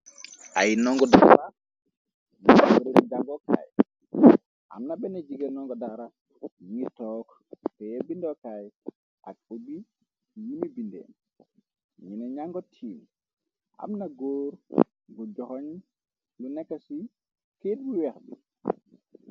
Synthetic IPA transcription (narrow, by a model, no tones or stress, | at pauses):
ʔajinɔŋɡɔda̰ɾa | minawuɾiɾiɡaŋɡɔka̰j | ʔa̰mnabɛnad͡ʒiɡanɔŋɡɔdaɾa | ɲitɔk | tɛjebindɔkaj | ʔa̰k̚ubi | jinibindɛ̰n | minɛɲaŋɡɔtʰiːm | ʔa̰mnaɡoːɾ | ɡɔd͡ʒɔhɔɲ | lunɛkːasi | ked̚biwɛxbḭ